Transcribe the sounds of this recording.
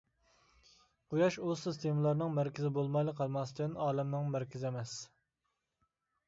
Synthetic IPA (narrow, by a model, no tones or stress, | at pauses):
qʰujɑʃusist̪ʰemɨlˠɑɾnɨŋmæɾkʲɪzɪbolˠmɑjlˠəqʰːɑlˠmɑsd̪nɑːlɛmnɨŋmæɾkʲɪzɪɛmɛs